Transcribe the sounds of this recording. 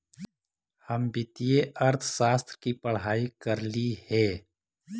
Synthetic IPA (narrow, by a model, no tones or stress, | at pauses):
həmbɪt̪ieʔɐɾt̪ʰʃaːst̪ɾkipɐɽ̤ɦaːikɐɾlihɛː